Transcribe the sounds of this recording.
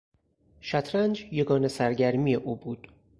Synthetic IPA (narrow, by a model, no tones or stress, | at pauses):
ʃæt̪ʰɾænd͡ʒjeɡɒːnesæɾɟæɾmiːjeʔuːbuːd̪̥